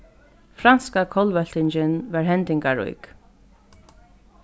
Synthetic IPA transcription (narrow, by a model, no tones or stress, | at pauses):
fɾanskakʰɔlvœl̥t̪ɪɲt͡ʃɪnvaɹɦɛnt̪ɪŋkaɹṵjk